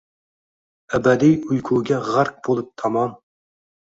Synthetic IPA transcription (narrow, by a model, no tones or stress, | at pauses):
æbɛd̪ijujkʰuːɡʲɛʁæɾq̚b̥olˠup̚t̪ʰɑmɑm